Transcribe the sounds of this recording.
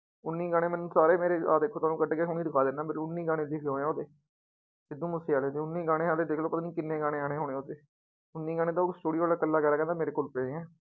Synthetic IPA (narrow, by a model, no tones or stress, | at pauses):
ʊnːiːɡaːɽ̃ẽːmɛːnũːsaːɾeːmeːɾeːaːd̪eːkʰːoːt̪aːnũːkəɖɡeɦoːñĩːd̪ɪkʰaːd̪ɪnːaːmeːɾʊnːiːɡaːɽ̃ẽːd̪ɪkʰːɦoːeãːoːd̪eː | d͡ʒɪd̪ũːmʊseːaːleːd̪eːʊnːiːɡaːɽ̃eːaːd̪eːd̪eːkʰloːpət̪aːniːkɪnːẽːɡaːɽ̃ẽːaːɽ̃eːɦoːɽẽːoːd̪eː | ʊnːiːɡaːñẽːt̪ãːsʈuːɽiooːlaːkəlːaːkɛːɾaːkɛ̃ːnd̪aːmeːɾeːkoːlpeẽːɛ̃ː